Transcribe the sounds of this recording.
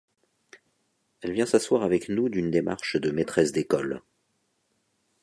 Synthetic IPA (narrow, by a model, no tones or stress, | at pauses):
ɛlvjɛ̃saswaʁavɛknud̪ynd̪ema̰ʁʃd̪əmet̪χɛsd̪ekɔl